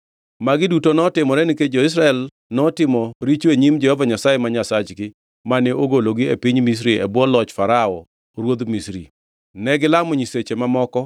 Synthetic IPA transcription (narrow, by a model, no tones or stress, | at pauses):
maɡɪdutonɔtɪmɔɾɛniked͡ʒoɪs̬ɾaɛl | nɔtɪmɔɾit͡ʃweɲimd͡ʒɛhɔvaɲasajemaɲasat͡ʃɡɪ | manɪoɡoloɡɪepiɲmis̬ɾiɛbwɔlɔt͡ʃfaɾaɔ | ɾwod̪misɾḭ | nɛɡɪlamɔɲiset͡ʃemamɔkɔ